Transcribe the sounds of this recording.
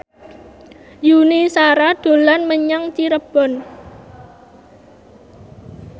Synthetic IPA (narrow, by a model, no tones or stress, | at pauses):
junisaɾad̪̥o̤lanməɲaŋt͡ʃiɾəb̥ɔ̤n